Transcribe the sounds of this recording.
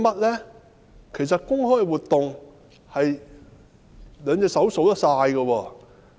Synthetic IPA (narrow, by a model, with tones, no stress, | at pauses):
mɐ˥t̚lɛː˥ | kʰe˨˩js̬ɐ˨t̚kʊ˥ŋhɔː˥jwuː˨˩t̪ːʊ˨ŋ | hɐ˨j | lœː˨˧ŋt͡sɛː˧sɐ˨˥wso˨˥wt̪ɐ˥k̚saː˧jɡɐ˧wɔː˧